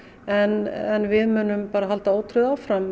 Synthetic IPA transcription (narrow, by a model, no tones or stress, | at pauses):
ɛnɛnvɪðmʏnʏmpaːɾaɦalt̪aoːwt̪ʰɾʏðaːwfɾam